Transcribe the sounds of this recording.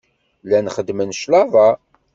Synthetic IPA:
lænχəd̪mənʃlɑvɑ

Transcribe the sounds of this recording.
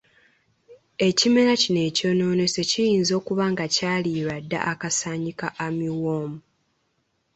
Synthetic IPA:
e̞cime̞ɾacine̞ːco̞ːno̞ːne̞se̞cijiːnzo̞ːkuβaːŋɡacaːliːɾadːa̰ʔakasaːɲikaʔamiwoːmu

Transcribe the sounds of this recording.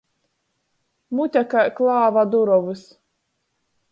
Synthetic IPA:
mut̪ʲakaklˠaːvad̪uɾɔvɨs

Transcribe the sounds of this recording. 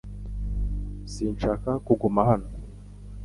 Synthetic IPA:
siːnʃakakuɡumahano

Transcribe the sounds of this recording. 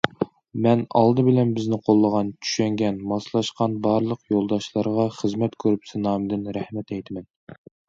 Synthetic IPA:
mɛnɑ̰lˠd̪ɨbɪlɛnbɪznɪqʰolˠːəʁɑnt͡ʃʰy̥ʃɛŋɡʲɛnmɑslˠɑʃqɑnbɑɾlˠəqjolˠd̪ɑʃlˠɑɾʁɑχəzmɛt̪kʲʰøɾypsɨnɑːmd̪ɪnɾæhmɛt̪ɛjt̪ʰɪmɛn

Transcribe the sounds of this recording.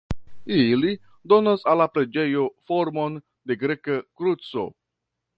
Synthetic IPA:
ili | d̪o̞nasalːapɾe̞d͡ʒe̞jo̞fo̞ɾmo̞n | de̞ɡɾekakɾut͡so̞̰

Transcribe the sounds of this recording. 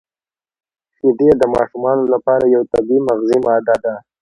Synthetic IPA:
sid̪ed̪əmɑʃumɑnolapɑɾajawt̪abimaɣzimɑːd̪ad̪a

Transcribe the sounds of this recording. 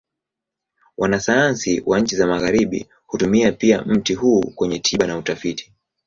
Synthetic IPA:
wʔanasajansiwʔaɲ̩t͡ʃizamaɣaɾiɓḭ | hutumiapia̰m̩tihuːkwɛɲɛtʰiɓanautafiti̥

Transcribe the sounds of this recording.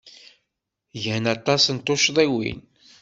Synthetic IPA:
ʝhənɑt̪ˤːɑsnt̪oʃðˤiwḭn

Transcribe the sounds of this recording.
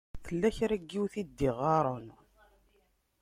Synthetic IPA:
θəlːæçɾæɡːiwθid̪ːiʁɑɾˤon

